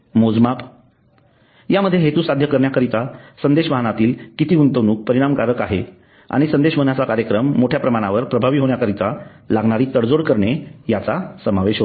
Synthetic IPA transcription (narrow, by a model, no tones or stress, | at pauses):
mod͡zmap | jaməd̪ʱːjeɦet̪ũːsad̪ʱjəkəɾɳjakəɾit̪asənd̪eɕʋəaɦənat̪iːlkit̪iːunt̪əʋnuːk̚pəɾiɽ̃amkaɾəkaɦe | a̰ɽ̃isənd̪eɕʋəɦənat͡sakaɾjəkɾəmːoʈʰjapɾəmaɽ̃aʋəɾpɾəbʱaʋiːɦoɳjakəɾit̪a | laɡɳaɾiːt̪əɽd͡zoɽkəɾɳejat͡sasəmaʋeɕɦo